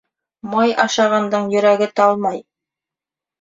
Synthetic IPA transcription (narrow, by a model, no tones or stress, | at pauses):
mojʔɑʃɑʁɑnd̪əɴjɵ̆ɾæɡʲɪt̪ʰɑlˠmɑj